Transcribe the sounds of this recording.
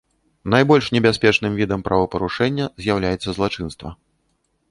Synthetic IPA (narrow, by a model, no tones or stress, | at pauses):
najbɔlʲʂnʲɛbʲasʲpʲɛt͡ʂnɨmvʲid̪ɐmpɾavɐpɐɾuʂɛnʲːɐzʲjawlʲajɛt̪sːɐzlˠat͡ʂɨnst̪vɐ̰